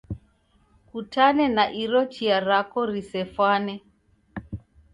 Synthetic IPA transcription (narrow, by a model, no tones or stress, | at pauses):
kutanɛnaʔiɾɔt͡ʃiaɾakɔɾisɛfwanɛ